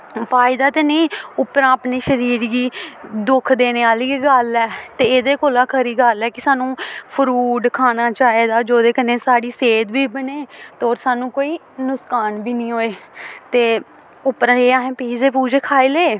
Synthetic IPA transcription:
faːɪd̪aːt̪eːnĩːʊpːɾãːapneːʃəɾiːɾɡiːd̪ʊkʰd̪eːneːaːliːɡəlɛːt̪eːeːd̪eːkoːlaːkʰəɾiːɡəlɛːkɪsaːnũːpʰəɾuːɖkʰaːnaːt͡ʃaːeːd̪aːd͡ʒoːd̪eːkəneːsaːɽiːseːd̪biːbəneːt̪ːoːɾsaːnũːkoːiː | nʊskaːnbiːnĩːɦoːeːt̪eː | ʊpːɾãːeːaːɦẽːpiːd͡ʒeːpuːd͡ʒeːkʰaːiːleː

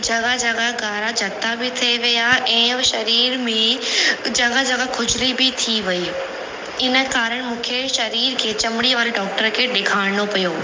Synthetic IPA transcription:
d͡ʑɐɡad͡ʒɐɡaɡaːɾad͡ʑʱɐt̪ːabɪt̪ʰieʋijaʔɛ̃ːʃɐɾiːɾmẽd͡ʑɐɠad͡ʑɐɡakʰʊd͡ʑlibɪt̪ʰiʋɐi | ɪnə̆kaːɾəɽ̃mũːkʰeʃɐɾiːɾkʰeːt͡ɕɐmɪɽ̃iʋaːɾeɖɔːk̚ʈəɾkʰeɗɪkʰaːɽnopijoː

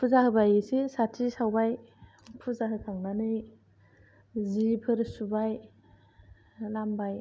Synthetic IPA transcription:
pʰuzahɯbajɯsisatʰisawbaj | pʰuzaɦɯkʰaŋnanɯj | zipʰɯɾsubaj | lambaj

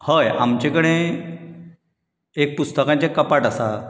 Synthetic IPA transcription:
həjamt͡ɕekəɽ̃e | ek̚pust̪əkãɲt͡ɕekːəpaʈasa

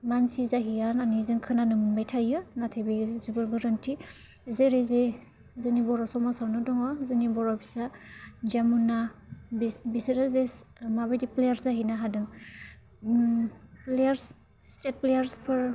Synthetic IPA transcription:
mansizaɦijananizɯŋkʰɯnanɯmunbajtʰajɯnatʰebizubɯɾɡɯɾantʰi | zeɾeze | zɯnibɔɾɔsɔmasawnɯdɔŋɔzɯnibɔɾɔbisad͡ʒamunːabibisɾazesmabajdiplejaɾzaɦinaɦadɯŋ | plejaɾs | stet̚plejaɾspʰɯɾ

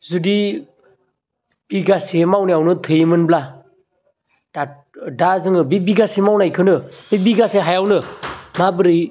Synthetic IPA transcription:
zudi | biɡasemawnijawnɯtʰɯjimɯnbla | d̥a | dazɯŋɯbibiɡasemawnajkʰɯnɯbibiɡaseɦajawnɯmabɯɾij

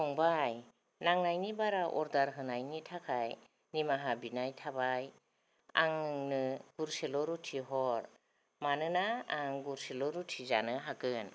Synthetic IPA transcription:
ɔŋbaj | naŋnajnibaɾaʔɔ̰ɾdaɾɦɯnajnitʰakʰaj | nimaɦabinajtʰabaj | a̰ŋŋnɯɡ̥uɾselɔɾutʰiɦɔɾ | manɯnaːŋɡuɾselɔɾutʰiza̰nɯɦakɯn

